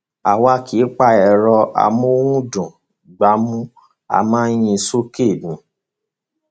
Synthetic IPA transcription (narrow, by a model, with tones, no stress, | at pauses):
a˨wa˦kʰi˨˦k͡pa˧ɛ˨ɾɔ˧a̰˨mu˦wũ˦dũ˨ | ɡ͡ba˨˦mũ˦ | a̰˧˨mãː˦j̃ĩ˧so˦ke˦˨mĩ˨˦